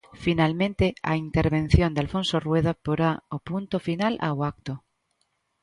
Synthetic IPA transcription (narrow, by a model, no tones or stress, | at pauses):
finalmẽnt̪ea̰int̪eɾβẽn̟θjond̪ealfonsorweð̞apoɾaopunt̪ofinalʔa̰wak̚t̪o